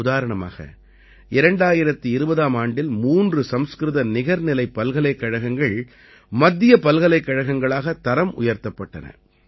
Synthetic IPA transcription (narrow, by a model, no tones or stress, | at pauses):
ʊðaːɾɐɳɐma̰ːɣɐ̰ | ɪɾɐɳɖaːjɪɾɐt̪ːɯɪɾɯbɐðaːmaːɳɖɪlmuːndrɯsɐmskɾɯðɐnɪɣɐɾnɪlɐɪpːɐlɣɐɭɐɪkːɐɻɐɣɐŋɡɐɭ | mɐd̪ːɪjɐpɐlɣɐlɐɪkːɐɻɐɣɐŋɡɐɭaːɣɐt̪ːɐɾɐmʔʊ̰jɐɾt̪ːɐpːɐʈːɐ̰nɐ̰